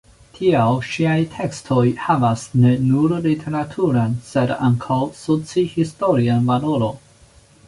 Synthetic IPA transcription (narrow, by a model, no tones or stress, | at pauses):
tʰiawʃiajtʰe̞kstʰo̞jhavasne̞nuɾlitʰe̞ɾatʰuɾanse̞da̰ŋkʰawsot͡sihistoɾianvaloɾo̞